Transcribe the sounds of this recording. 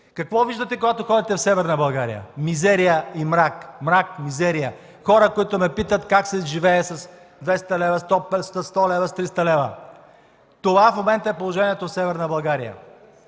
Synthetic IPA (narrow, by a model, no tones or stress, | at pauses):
kɐkvɔviʒd̪ət̪ɛkoɡat̪oxɔd̪it̪ɛfsɛvɛɾnəbɐlˠɡaɾḭjə̰mizɛɾijəimɾakmɾakmizɛɾijə | xɔɾəkoit̪omɛpit̪ət̪kaksɛʒivɛːsɐs | d̪vɛst̪ɐlɛvəst̪ɔpɛlst̪əst̪ɔlɛvəst̪ɾist̪ɐlɛvə̰ | t̪ovafmomɛnt̪əɛpolˠoʒɛniɛt̪ofsɛvɛɾnəbɐlˠɡaɾijə̰